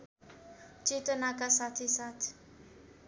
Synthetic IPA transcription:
t͡ʃʼit̪ʼənakʼasat̪ʰisat̪ʰi̥

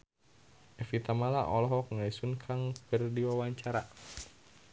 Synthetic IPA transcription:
ɛfit̪amalaʔɔlɔɦɔk̚ŋaisunkʰaŋkərdiwawaɲt͡ʃaɾa

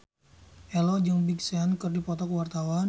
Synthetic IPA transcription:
ʔɛlɔd͡ʒəŋbiksɛnkɨrdipɔt̪ɔkəwart̪awan

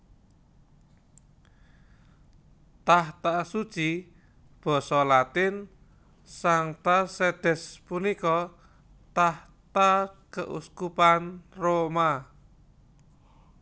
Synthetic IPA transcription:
t̪aht̪asud̥t͡ʃi | b̥ɔ̤sɔlat̪ɪn | saŋt̪asɛd̪̥ɛ̤spunikɔ | t̪ah | t̪akəʔṵskupanroma

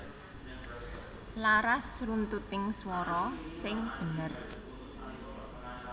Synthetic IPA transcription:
laɾasrunt̪ut̪ɪŋswɔɾɔsɪŋb̥ənər

